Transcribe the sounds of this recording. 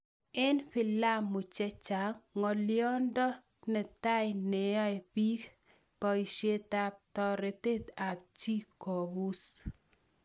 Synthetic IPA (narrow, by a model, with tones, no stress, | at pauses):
ɛ˦nfɪ˨la˦mːʊ˨t͡ʃɛ˦t͡ʃa˨kŋɔ˨ljɔ˦ndɔ˦ | nɛ˨t̪a˦jne˨ɔ˦e˨pi˦k | pɔ˨i˨ʃe˦t̪a˦p̚tɔ˦ɾe˨te˦t̪a˨b̚t͡ʃi˦ko˨bu˦s